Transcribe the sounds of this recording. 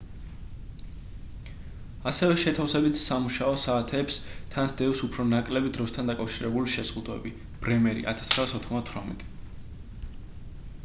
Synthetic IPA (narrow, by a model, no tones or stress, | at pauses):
asɛvɛʃɛt̪ʰafsɛbit̪ʰsamuʃaɔsaːt̪ʰɛːpst̪ʰansd̪̥ɛvsupʰɾɔnakʼlɛbid̪ɾɔst̪ʰand̪akʼafʃiɾɛbuliʃɛz̥ʁud̪wɛ̰bi | b̥ɾɛmɛɾḭʔa̰t̪ʰḁsχʁɾaːsɔt̪ʰχmd̪at̪ʰwɾamɛ̰t̪ʼi̥